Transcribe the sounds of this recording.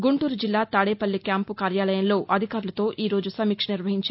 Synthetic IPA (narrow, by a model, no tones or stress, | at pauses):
ɡuɳʈuːɾud͡ʒilːaːt̪aːɽeːpɐlːikjaːmpukaːɾjaːlɐjɐnlo̞ːʔɐd̪ʱikaːɾulɐt̪o̞ːʔiːɾo̞ːd͡ʒusɐmiːkʂɐniɾʋɐɦiɲt͡ʃa